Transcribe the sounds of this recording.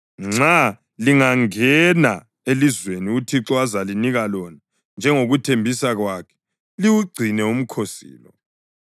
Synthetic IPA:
ŋ͡ǁa | liŋaŋɛna | elizweniutʰiǁɔazaliniɣalɔna | nd͡ʒʱɛŋoɣutʰembʱisaɣwaːkʰɛ̥ | liwuɡ͡ǀʱinɛum̩kʰosḭːlɔ

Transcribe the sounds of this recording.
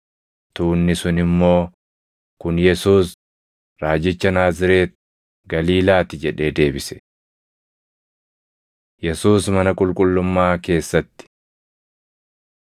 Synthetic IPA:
t̪uːnːɪsʊnɪmːo̞ː | kʊnjɛsuːs | ɾaːd͡ʒɪt͡ʃːɐnaːzɪɾe̞ːt̪̚ | ɡɐliːlaːt̪ɪd͡ʒɛᶑe̞ːd̪e̞ːbɪsɛ̥ | jɛsuːsmɐnɐkʼʊlkʼʊlːʊmːaːke̞ːsːɐt̪ːɪ̥

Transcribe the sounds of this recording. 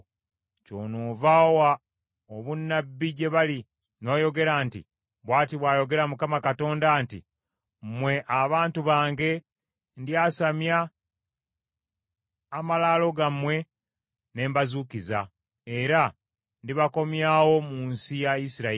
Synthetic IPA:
co̞̰ːnoːvawa | oβunːabːiɟe̞βali | no̞ːjo̞ɡe̞ɾaːntḭ | βwaːtiβwaːjo̞ɡe̞ɾamukamakato̞ːndaːntḭ | m̩mwe̞ʔaβaːntuβaːŋɡe̞ | ndjasamja | malaːlo̞ɡamwe̞ | ne̞ːmbazukiza̰ | e̞ɾa | ndiβako̞mjaːwo̞muːnsijaisiɾa

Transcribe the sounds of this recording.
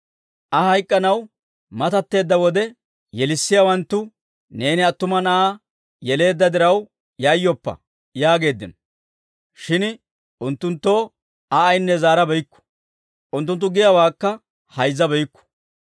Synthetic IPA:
ʔɐhɐjkʼːɐnɐw | mɐt̪ɐt̪ːe̞ːd̪ːɐwɔd̪ɛ | jɛlɪsːɪjawɐnt̪ːʊ | ne̞ːnɪɐt̪ːʊmɐnɐaː | jɛle̞ːd̪ːɐd̪ɪɾɐw | jɐjːɔpːɐ̰ | jaːɡe̞ːd̪ːɪnɔ | ʃɪn | ʊnt̪ːʊnt̪ːo̞ː | ɐːjnːɛzaːɾɐbɛjkːʊ̥ | ʔʊnt̪ːʊnt̪̬ːʊɡɪjɐwaːkːɐ | hɐjzːɐbɛjkːʊ̥

